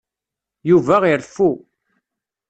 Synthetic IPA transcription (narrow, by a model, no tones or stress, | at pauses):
juvæʁiɾfu